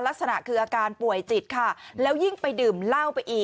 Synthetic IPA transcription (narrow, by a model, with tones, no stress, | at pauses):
la˦˥k̚sa˧na̰˨˩ʔkʰɯː˧ʔaː˧kaː˧npu˨˩əjt͡ɕi˨˩t̪̚kʰa˥˩lɛː˦˥wji˥˩ŋpa˧jdɯː˨˩mla˥˩wpa˧jʔiː˨˩